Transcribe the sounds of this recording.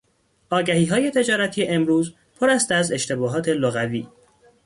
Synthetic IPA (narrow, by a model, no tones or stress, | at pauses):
ʔɒːɟæhiːɦɒːje̞t̪ʰe̞d͡ʒɒːɾæt̪ʰijeʔemɾuːz | pʰoɾæst̪æze̞ʃt̪ʰe̞bɒːɦɒːt̪ʰe̞loɣæviː